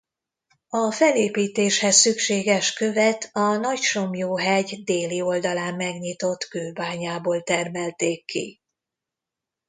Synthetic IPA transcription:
ɒfɛleːpiːt̪eːʃhɛsːykʃeːɡɛʃkø̞vɛt̪ɒnɒcʃomjoːɦɛɟd̪eːlio̞ld̪ɒlaːmːɛɡɲit̪o̞t̪køːbaːɲaːboːlt̪ɛrmɛlt̪eːkːḭ

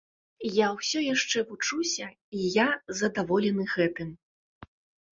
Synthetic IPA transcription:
jawsʲɔjaʂt͡ʂɛvut͡ʂusʲɐ | ijazɐd̪avɔlʲɛnɨɣɛt̪ɨm

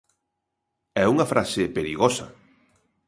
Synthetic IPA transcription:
ɛuŋɐfɾasepeɾiɣɔsɐ̰

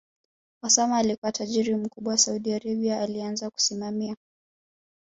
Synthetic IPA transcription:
wasamaːlikuwataʄiɾim̩kuɓwasauɗiaɾaɓiaːlianzaku̥simamia

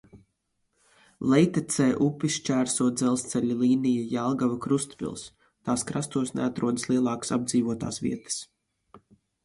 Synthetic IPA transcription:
lˠɛjt̪ɛt̪sɛːʔupʲist͡ʃæːɾsuɔːd̪zɛlˠst̪sɛlʲulˠiːnijajalˠɡavakɾust̪pḭlˠs | t̪aːskɾast̪uɔsneat̪ɾuɔd̪əslˠiɛlˠɑːkḁsab̚d̪ziːvuɔt̪a̰ːsvḭɛt̪ə̥s

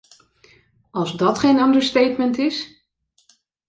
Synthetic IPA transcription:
ɑlˠzdɑtχejnɑndəɹstejtmɛntɪs

